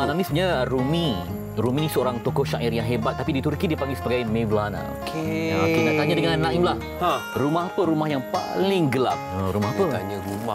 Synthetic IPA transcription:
nãmĩsuɲaɾumĩ | ɾuminisəoɾaŋt̪okɔhʃaʔirjaŋɦebat̪̚ːapidit̪urkidipaŋɡisəbaɡajmẽvlana̰okʰeat̪unaʔt̪aɲadəŋãnnãʔimlah | aɾumahapəɾumahjaŋpa̰lɪŋɡəla̰p̚əɾumahapəaɲəɾuma

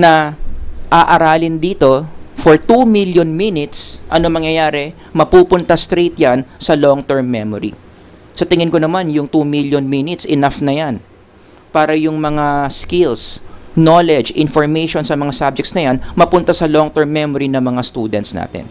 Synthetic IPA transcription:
nɐ | ʔɐʔɐɾaːlɪnd̪iːt̪o̞foɹt̪umiljonminɪt̪sʔɐnomɐŋjɐjaːɾɛ | mɐpuːpʊnt̪ɐst̪ɾejt̪̚jansɐloŋt̪ɛɹmːɛmoɾḭ | sɐt̪ɪŋɪnkonɐmanjʊŋt̪umiljonminɪt̪sʔɪnafnɐjan | paːɾɐjʊŋmɐŋaskɪlsnolɛd͡ʒʔɪnfoɹmɛjʃonsɐmɐŋasab̚d͡ʒɛktsnɐjanmɐpʊnt̪asɐloŋt̪ɛɹmːɛmoɾinɐŋmɐŋast̪uːd̪ɛ̰nt̪sna̰ːt̪ɛ̰n

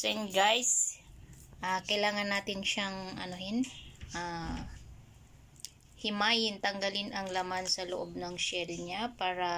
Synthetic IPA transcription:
sɛnɡajs | ʔakɐjlaːŋɐnːaːt̪ɪnʃaŋʔɐ̰nohɪnʔa | hɪmaːjɪnt̪ɐŋɡɐlɪnʔɐŋlɐmansɐloʔob̚nɐŋʃɛlɲapaːɾɐ

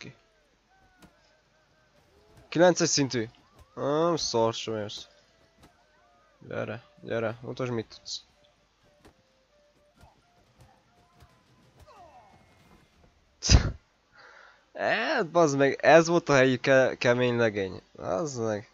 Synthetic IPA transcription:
ki | kilɛnt̪sɛcsint̪y | soɾʃomɛos | ɟɛ̰ɾɛɟɛ̰ɾɛṵt̪oʃmit̪ːu̥t̪s | ɛt̪bɒzmɛɡɛzvolt̪ɒhɛjikɛkɛmeːɲlɛɡeːɲɑ̰zmɛɡ

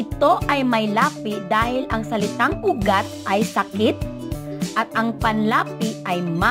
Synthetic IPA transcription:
ɪt̪o̞ʔɐjmɐjlaːpɪd̪aːhɪlʔɐŋsɐlɪt̪aŋʔuɡat̪̚ʔɐjsɐkɪt̪̚ | ʔɐt̪̚ʔɐŋpɐnlaːpɪʔɐjma

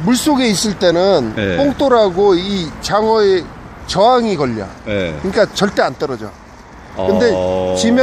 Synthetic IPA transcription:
muɭs͈oɡe̞is͈ɯɭt͈e̞nɯnpoŋ̚t͈oɾaɡoit͡ɕaŋʌe | t͡ɕʌɦaŋikʌʎːa̰kɯɲik͈at͡ɕʌɭt͈e̞ant͈ʌɾʌd͡ʑo̰ | kɯnde̞t͡ɕimj

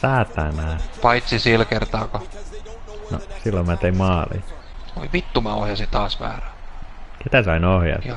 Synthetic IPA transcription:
sæːt̪ːæːnæpɑit̪sisilkert̪ɑːko | no̰silːommæːt̪eimmɑːlḭ | o̰iʋit̪ːumɑo̰hjɑsit̪ɑːsʋæ̰ːræket̪æsɑinohjɑ̰s

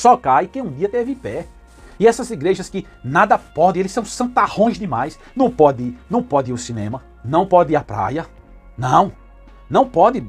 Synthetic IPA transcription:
sɔkajkẽũd̪iɐt̪evɪpɛ | ɪɛsɐziɡɾeʒɐskɪ | nad̪ɐpɔd̪ẽelɪsɐ̃w̃sɐ̃t̪ahõj̃zd̪ɪmajs | nɐ̃w̃pɔd̪ɪɪnɐ̃w̃pɔd̪ɪiɾʊsinḛ̃mɐ | nɐ̃w̃pɔd̪ɪiɾapɾa̰jɐ | nɐ̃w̃ | nɐ̃w̃pɔd̪ɪ

